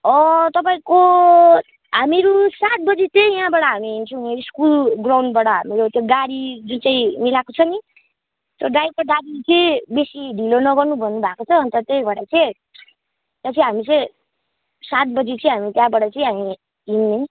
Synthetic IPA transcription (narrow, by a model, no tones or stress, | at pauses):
ʌ̃t̪ʌpaĩko | ɦamiɾusat̪̚bʌd͡zet̪ejjɦãbaɽʌɦamiɦint͡sʰũeskulɡrawɳɖbaɽʌɦamiɾot̪joɡaɽid͡zunt͡saĩmilakot͡sʰʌni | t̪oɖajb̚kaɖaɾit͡sʌbesiɖʱilonʌɡʌrnubʱʌnːubʱakot͡sʰʌːnt̪ʌt̪ejbʌɽat͡sẽ | t̪ʌt͡sʰĩɦamit͡sʌ̃ | sat̪̚bʌd͡zit͡sʌĩɦamit̪jãbaɽʌt͡sʌĩɦami | ɦinːe